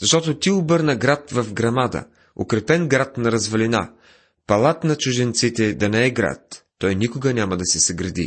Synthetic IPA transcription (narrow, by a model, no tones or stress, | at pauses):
zɐʃt̪ɔt̪ot̪iʊbɤɾnəɡɾat̪vɐfɡɾɐmad̪ə̰ | o̰kɾɛpɛnɡɾat̪nɐɾɐzvɐlina | pɐlˠat̪nɐt͡ʃʊʒɛnt̪sit̪ɛd̪ɐnɛɛɡɾa̰t̪ː | ɔjnikʊɡənʲamɐd̪ɐsɛsɐɡɾɐd̪ḭ